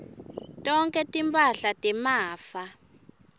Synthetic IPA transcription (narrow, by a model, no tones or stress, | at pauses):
tʼɔŋkʼɛtʼimbʰʼaɬatʼimaːfa